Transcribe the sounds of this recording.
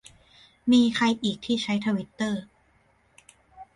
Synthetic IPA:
miː˧kʰa˧jʔiː˨˩k̚t̪ʰiː˥˩t͡ɕʰa˦˥jt̪ʰaː˧wi˦˥t̪ːɤː˥˩

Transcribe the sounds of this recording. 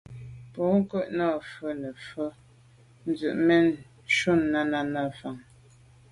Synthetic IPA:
pɔ˨˦ŋ̩˦kə˦˨ʔnɔ˦˨fə˦nə˨fə˦ | n̩˦zʉ˨ʔmɛ˦n | ʃu˦˨nːa˦na˦na˦fa˨ŋ

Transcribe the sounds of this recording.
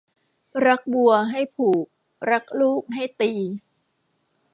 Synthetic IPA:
ɾa˦˥k̚bu˧ɐɦa˥˩jpʰuː˨˩k̚ | ɾa˦˥k̚luː˥˩k̚ɦa˥˩jt̪iː˧

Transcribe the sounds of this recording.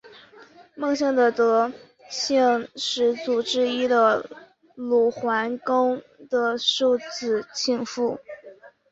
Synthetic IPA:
mɤ˥˧ŋɕjɑ˥˩ŋd̪ə˩t̪ɤ˧˥ | ɕɛ˥˩ŋʂɻ̩˧˥t͡su˨˩ʈ͡ʂɻ̩˥˧i˥d̪ə˨ | lu˨˩xwa˧˥nko˥ŋd̪̥ə˨ʂu˥˩t͡sɹ̩˨˩t͡ɕʰi˥˩ŋfu˥˩

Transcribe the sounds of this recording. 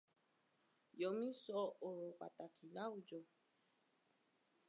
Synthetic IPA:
jɔ˨mĩ˦sɔ˦o˨o˨ka̰˨ta˨kʰi˨la˦u˦d͡ʒo˨

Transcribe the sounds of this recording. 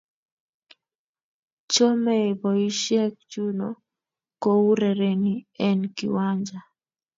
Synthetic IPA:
t͡ʃɔ˦mɛ˦˨bɔ˨i˦ʃɛ˦k̚t͡ʃu˦no˨ | ko˦u˦ɾɛ˨ɾe˨ni˦ɛ˦nkḭ˨wa˦ɲd͡ʒa˨

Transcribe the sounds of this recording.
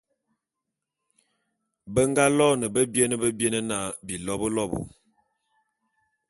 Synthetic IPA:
bə˦ŋɡa˦lɔ˦nə˨bə˦bje˦nə˦bə˦bje˦nə˦na˦˨bi˨lɔ˦bə˦lɔ˦bṵ˨

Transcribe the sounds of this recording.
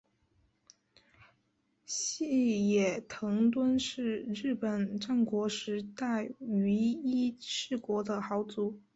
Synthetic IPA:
ɕi˥˩jɛ˨˩t̪ʰɤ˧˥ŋt̪wə˥nʂɻ̩˥˩ɻɻ̩˥˩pə˨˩nʈ͡ʂa˥˩nkwɔ˧˥ʂɻ̩˧˥t̪a˥˩ɪy˧˥i˥ʂɻ̩˥˩kwɔ˧˥d̪ə˧xɑ˧˥ʊt͡su˧˥

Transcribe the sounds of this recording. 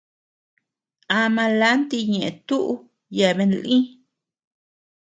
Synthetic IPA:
a˧mã˧la˦nt̪i˧ɲe˨t̪u˦ʔ | ja˨be˧nlʔĩ˦

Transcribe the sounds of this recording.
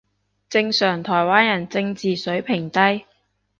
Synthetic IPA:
t͡sɪ˧ŋsœː˨˩ŋt̪ʰɔː˨˩jwaː˥njɐ˨˩nt͡sɪ˧ŋt͡siː˨sɵ˨˥ɥpʰɪ˨˩ŋt̪ɐ˥j

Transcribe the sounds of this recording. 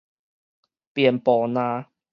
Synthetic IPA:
pi˨˩ə˨npɔː˨˧˩nã˧˦

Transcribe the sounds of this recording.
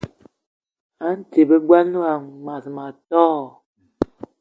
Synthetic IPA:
a˦n̩˦te˨be˦ɡwa˦nu˦a˨ŋma˨sma˨tɔː˦˨

